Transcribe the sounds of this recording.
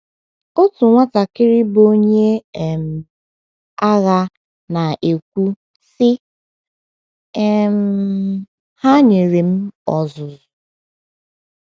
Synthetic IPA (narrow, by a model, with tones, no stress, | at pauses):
o˦tu˨ŋʷa˦ta˨kɪ˦ɾɪ˦bo˦ɲe˦˨m̩˨ | a˦ɣa˦ | na˨ʔe˨kʷu˦ | sɪ˦ | m˦ | ha˦ɲe˨ɾe˨m̩˦ɔ˨zʊ˨zʊ˨